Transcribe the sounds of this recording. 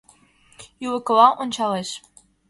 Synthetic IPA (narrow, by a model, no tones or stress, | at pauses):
juwɘ̆kɤlɑʔont͡ɕɑlˠeʃ